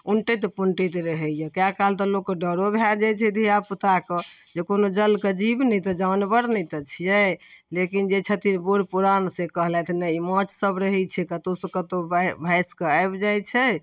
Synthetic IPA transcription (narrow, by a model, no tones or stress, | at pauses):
uɳʈet̪̬puɳʈit̪eɾəɦɛjɛkjakalt̪ɔlokːeɖəɾobʱjaɾd͡ʒajt͡ʃʰɛd̪ʱiaput̪akəd͡ʒekonod͡ʒəlked͡ʒibnɛt̪ɔd͡ʒawnbəɾnɛt̪ət͡ʃʰijɛ | lekind͡ʒet͡ʃʰət̪inbuɾpuɾansẽkəɦlɛt̪ʰinəimɔ̃t͡ʃsəbɾəɦɛt͡ʃʰɛkət̪osəkət̪obbʱajskeajbd͡ʒajt͡ʃʰɛ